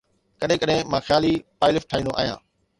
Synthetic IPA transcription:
kəɗɦɪ̃ːkəɗɦɪ̃mãːxjaːliːpaːɪlɪfʈʰaːĩːnd̪oʔa̰ːɦijã̰ː

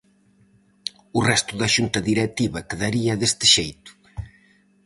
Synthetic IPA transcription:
urɛst̪ʊðɐʃunt̪ɐðiɾɛt̪iβɐkeðaɾiɐðest̪ɪ̥ʃejt̪ʊ̥

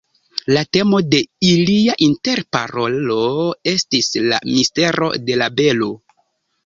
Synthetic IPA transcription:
late̞mo̞de̞iliaʔinte̞ɾpa̰ɾo̞lo̞e̞stisla̰miste̞ɾo̞̰de̞labe̞lo

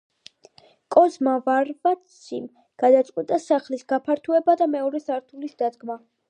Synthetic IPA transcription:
kʼɔzmavaɾvat̪sʰim | ɡ̥ad̪at̪sʼqʼwɛt̪ʼasaχlisɡapʰaɾt̪ʰuɛbad̪amɛɔɾɛsaɾt̪ʰulisd̪ad̪ɡma

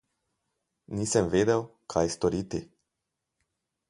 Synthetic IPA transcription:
nisenved̪ewkʰajst̪oɾit̪i

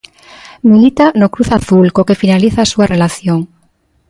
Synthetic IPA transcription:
milit̪anokɾuθaθulkokefinaliθaːsuarelaθjoŋ

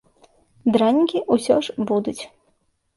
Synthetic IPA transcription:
d̪ɾanʲikʲiʔusʲɔʂbud̪ut͡sʲ

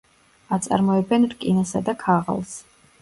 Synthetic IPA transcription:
at̪sʼa̰ɾmɔɛbɛnɾkʼinasad̪akʰaʁa̰lˠs

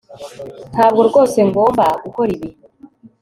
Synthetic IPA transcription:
haβɡoɾɡo̞ːse̞ŋɡoːβaɡukoɾiβi

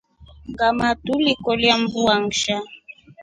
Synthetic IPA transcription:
ŋɡamatulikɔljambuaŋʃa

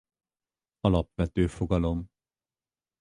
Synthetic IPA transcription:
ɒlɒpʋɛt̪øːfoɡɒlo̞m

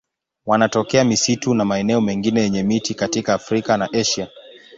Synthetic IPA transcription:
wanatɔkɛamisitunamaɛnɛɔmɛŋɡinɛjɛɲɛmitikatikaːfɾikanaʔɛʃa

